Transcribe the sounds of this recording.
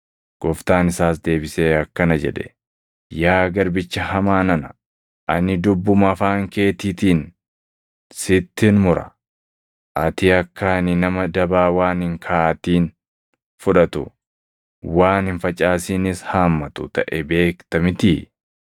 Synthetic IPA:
ɡ̥ɔft̪aːnɪsaːsd̪e̞ːbɪseːɐkːɐnɐd͡ʒɛ̰ᶑɛ̥̰ | jaːɡɐɾbɪt͡ʃːɐhɐmaːnɐnɐ | ʔɐnɪd̪ʊbːʊmɐfaːŋke̞ːt̪iːt̪iːn | sɪt̪ːɪnmʊɾɐ̰ | ʔɐt̪ɪɐkːaːnɪnɐmɐd̪ɐbaːwaːnɪŋkʰaːt̪iːn | fʊᶑɐt̪ʊ̰ | waːnɪnfɐt͡ʃʼaːsinɪshaːmːɐt̪ʊt̪ɐʔɛbe̞ːkt̪ɐmɪt̪ɪ

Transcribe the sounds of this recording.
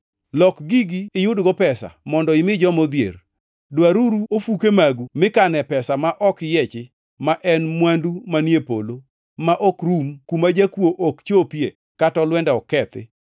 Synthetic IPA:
lɔkɡiɡiːjʊdɡɔpɛsa̰mɔndɔɪmɪd͡ʒɔmod̪jḛr | dwaɾuɾuʔofukemaɡumɪkanɛpɛsamaʔɔkjɛt͡ʃɪ | maʔɛnmwandumanjepo̰lo | maʔokɾumkumad͡ʒakwoʔokt͡ʃopje | katɔlwɛndɛɔkɛt̪ɪ̰

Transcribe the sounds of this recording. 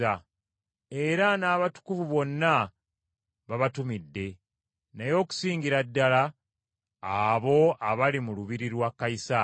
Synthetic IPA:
a | e̞ɾanaːβatu̥kuvuβo̞nːa | βaβatumidːe̞ | najo̞ːku̥siːŋɡiɾadːalaː | βo̞aβalimuluβiɾiɾwakːaisa

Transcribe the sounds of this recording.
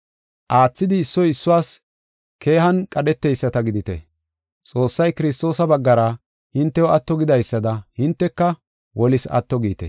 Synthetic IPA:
ʔaːt͡sːɪd̪ɪːsːɔjɪsːʊwaːs | kʰe̞ːhɐnkʼɐɗɛt̪ːɛjsːɐt̪ɐɡɪd̪ɪt̪ɛ̰ | t͡sʼo̞ːsːɐjkɪɾɪs̬t̪o̞ːsɐbɐɡːɐɾɐ | hɪnt̪ːɛwɔɐt̪ːɔɡɪd̪ɐjsːɐd̪ɐhɪnt̪ːɛkːɐ | wʔɔlɪsɐ̰t̪ːɔɡiːt̪ɛ

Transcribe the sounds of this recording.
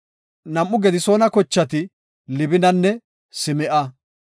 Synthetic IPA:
nɐmʔːʊɡɛd̪ɪso̞ːnɐkɔt͡ʃːɐt̪ɪ | lɪbɪnɐnːɛ | sɪmɛʔɐ

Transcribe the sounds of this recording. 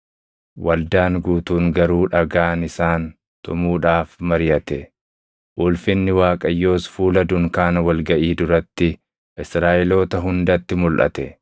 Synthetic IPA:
wɐld̪aːŋɡuːt̪uːŋɡɐɾuːᶑɐɡaːnɪsaːn | t̪ʊmuːᶑaːfmɐɾjɐt̪ɛ | ʔʊlfɪnːɪwaːkʼɐjːo̞ːsfuːlɐd̪ʊŋkaːnɐwɐlɡɐʔiːd̪ʊɾɐt̪ːɪ | ʔɪsɾaːʔɛlo̞ːt̪ɐɦʊnd̪ɐt̪ːɪmʊlʔɐ̰t̪ɛ

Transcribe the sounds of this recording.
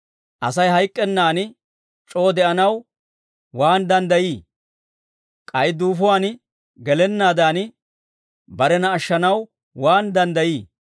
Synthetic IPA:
ʔɐsɐjɦɐjkʼːɛnːaːn | t͡ʃʼo̞ːd̪ɛʔɐnɐw | waːnd̪ɐnd̪ɐjiː | kʼɐjd̪uːfʊwaːn | ɡɛlɛnːaːd̪aːn | bɐɾɛnɐːʃːɐnɐw | waːnd̪ɐnd̪ɐjiː

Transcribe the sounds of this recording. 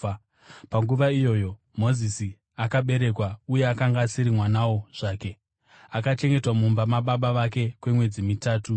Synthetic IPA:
paŋɡuʋaijo̞ːjo̞ | mo̞zisi | akaɓe̞ɾe̞kwauje̞akaŋɡaːsiɾimwanawoʐ̥aːke̞ | akat͡ʃe̞ŋɡe̞twamumbamaɓaɓaʋake̞kwe̞mwe̞d͡zimitaːtu

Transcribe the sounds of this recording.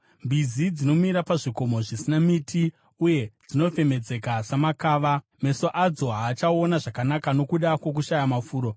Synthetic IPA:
mbizid͡zino̞miɾapaʐiko̞mo̞ʐisinamiti | uje̞d͡zino̞fe̞me̞d͡ze̞kasamakaːʋa | me̞so̞ʔad͡zo̞ɦaːt͡ʃaonaʐakanakano̞kuɗakwo̞k̬uʃajamafuːɾo̞

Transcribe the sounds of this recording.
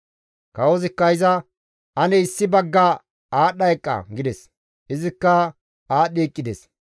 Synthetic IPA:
kɐwɔzɪkːɐɪzɐ | ɐnɛɪsːɪbɐɡːɐ | aːɗɐjkʼːɐ̰ɡɪd̪ɛs | ɪzɪkːɐ | aːɗiːkʼːɪd̪ɛs

